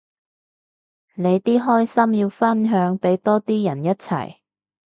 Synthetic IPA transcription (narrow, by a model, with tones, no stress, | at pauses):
ne˨˧jt̪iː˥ɦɔː˥jsɐ˥mjiː˧wfɐ˥nɦœː˨˧˥ŋpe˨˥jt̪ɔː˥t̪iː˥jɐ˨˩njɐ˥t̚t͡sʰɐ̰˨˩j